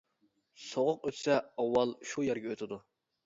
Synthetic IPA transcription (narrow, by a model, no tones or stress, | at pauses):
soʁʊqøt̪ʰsɛɑwːɑlˠʃujɛɾɡʲɛøt̪ʰɪd̪u